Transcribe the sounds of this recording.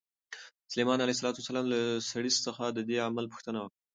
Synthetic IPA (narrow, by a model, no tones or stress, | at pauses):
salemɑnalais̬alɑt̪uwasalɑmlasaɽisːəxad̪əd̪eamalpʊ̥xt̪ənawa